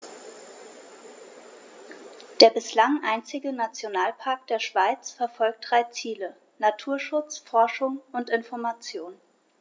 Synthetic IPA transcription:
d̥eːɐbɪslaŋʔaɪnt͡sɪɡənat͡sjonaːlpʰaɐk̚td̥eːɐʃv̥aɪt͡sfɛɐfɔlk̚t̚d̥ʁaɪt͡siːlə | natʰuːɐʃʊt͡sfɔɐʃʊŋʊntɪnfɔɐmat͡sjoːn

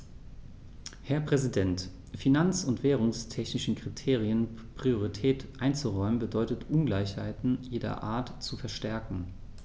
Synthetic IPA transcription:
hɛɐpʁ̥ɛzidɛnt | finant͡sʊntv̥eːʁ̞ʊŋstʰɛçnɪʃn̩kʁ̥itʰeːʁiənpʁ̥ioʁitʰɛːtʔaɪnt͡suʁɔʏmənbədɔʏtətʔʊnɡlaɪçha̰ɪtn̩jeːdɐ̰ʔa̰ːɐtt͡sufɛɐʃtɛɐkŋ̩

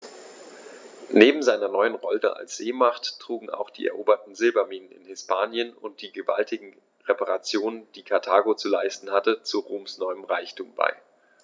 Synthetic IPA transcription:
neːbm̩zaɪnɐnɔʏənʁɔltə̰ʔa̰lsz̥eːmaχtːʁ̥uːɡŋ̩a̰ʊxd̥ḭːʔɛ̰ɐʔoːbɐtn̩zɪlbamiːnənɪ̰nhɪspʰaːnjənʊnt̚d̥iːɡəvaltʰɪɡŋ̩ | ʁepaʁat͡sjoːnənd̥iːkʰaɐtʰaːɡot͡sulaɪstn̩hatət͡suʁoːmsnɔʏəmʁaɪçtʰuːmba̰ɪ

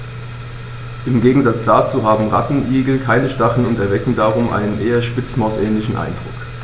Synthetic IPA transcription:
ʔɪmɡeːɡŋ̩zat͡sd̥aːt͡suːɦaːbm̩ʁa̰tn̩ʔiːɡl̩kʰaɪnəʃtaχl̩ʊntɛɐvɛkŋ̩daːʁʊmʔa̰ɪnənʔeːɐʃpɪt͡smaʊsʔɛːnlɪçn̩ʔa̰ɪnd̥ʁʊ̰k

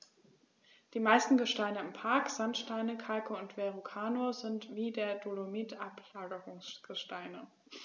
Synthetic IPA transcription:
d̥iːmaɪstn̩ɡəʃtaɪnəɪmpʰaɐkz̥antʃtaɪnəkʰalkəʊntv̥eʁukʰaːnoɐzɪntv̥iːdeːɐdolomiːtʔaplaːɡəʁʊŋsɡ̥əʃtaɪnə

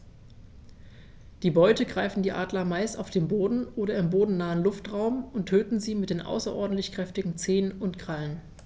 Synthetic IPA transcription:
d̥iːbɔʏtəɡʁaɪfn̩diːʔaːdlɐmaɪstaʊfd̥eːnboːdn̩ʔoːɾɐɪmboːdn̩naːənlʊftʁaʊmʊntʰːøːtn̩ziːmɪt̚d̥eːnʔa̰ʊsɐʔɔ̰ɐdn̩tlɪçkʁ̥ɛftɪɡŋ̩t͡seːnənʊntɡ̥ʁalən

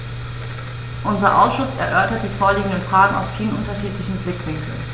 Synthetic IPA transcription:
ʔʊnzɐʔaʊsʃʊsɛ̰ɐʔœɐtɐt̚d̥iːfoːɐliːɡŋ̩dənfʁ̥aːɡən̩a̰ʊsfiːlənʔʊntɐʃiːtlɪçn̩blɪkv̥ɪŋkl̩n

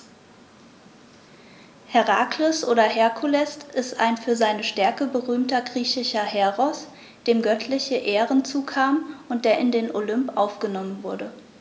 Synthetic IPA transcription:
hɛʁaːklʊsʔoːɾɐhɛɐkʰulɛstʔɪsta̰ɪnfyːɐzaɪnəʃtɛɐkəbəʁyːmtɐɡʁiːçɪʃɐhɛʁɔs | d̥eːmɡœtʰlɪçəʔeːʁənt͡suːkʰaːmʔʊnt̚d̥eːɐɪndeːnʔolʏmpʔaʊfɡ̥ənɔmənvʊɐdə

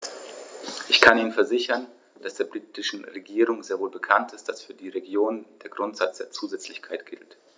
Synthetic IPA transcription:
ʔɪçkʰaniːnənfɛɐzɪçɐn | d̥asd̥eːɐbʁiːtʰɪʃn̩ʁeɡiːʁʊŋzeːɐvoːlbəkʰantɪstd̥asfyːɐdiːʁeɡjoːnnd̥eːɐɡʁʊntz̥at͡sd̥eːɐt͡suːzɛt͡slɪçkʰaɪtɡ̥ɪ̰lt

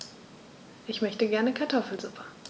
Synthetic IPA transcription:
ʔɪçmœçtəɡɛɐnəkʰaɐtʰɔfl̩zʊpʰɐ̥

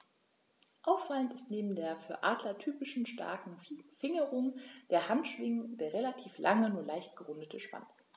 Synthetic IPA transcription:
ʔaʊfalən̩tɪstneːbm̩deːɐfyːɐʔaːdlɐtʰyːpɪʃn̩ʃtʰa̰ɐkŋ̩fɪŋəʁʊŋd̥eːɐhantʃv̥ɪŋəd̥eːɐʁelatʰiːflʔa̰ŋənuːɐlaɪçt̚ɡ̥əʁʊndətʰəʃv̥a̰nt͡s

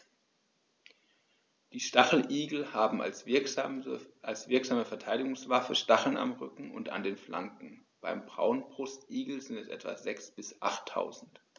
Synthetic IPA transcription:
d̥iːʃtaχl̩ʔiːɡl̩haːbm̩ | ʔalsv̥ɪɐkz̥aːməfɛɐtʰaɪɾɪɡʊŋsv̥afəʃtaχl̩na̰mʁʏkŋ̩ʊ̰nta̰ndeːnfla̰ŋkŋ̩b̥a̰ɪmbʁa̰ʊənbʁʊstʔiːɡl̩zɪntɛsʔɛ̰tv̥a̰ːzɛksb̥ɪsʔa̰χtʰːa̰ʊzn̩t

